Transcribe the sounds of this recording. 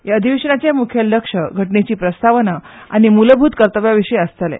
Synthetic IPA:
jaəd̪ʱiʋeʂəɳat͡ɕemukʰjəlːəkʂəɡʱəʈnet͡ɕiːpɾəst̪aʋənaa̰ɽ̃imuləbʱuːt̪kəɾt̪əʋjaʋiʂəjəst̪əlḛ

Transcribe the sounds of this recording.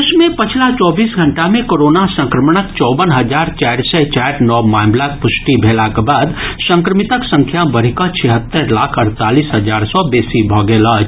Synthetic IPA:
smẽpət͡ʃʰlat͡ʃɔːbiːsɡʱəɳʈamẽkoɾonasə̃ŋkɾəmɽ̃əkt͡ʃɔːbənɦəd͡ʒaːɾt͡ʃaːɾsɛt͡ʃɛɾnɔmaɪmlak̚pʊsʈibʱelakebaːd̪sə̃ŋkɾəmit̪əksə̃ŋkʰjabəɾ̤ikɔt͡ʃʰɛɦət̪ːəɾlaːkʰəɾt̪aːlisɦəd͡ʒaːɾsɔbeːsibʱɔɡeːlɔ

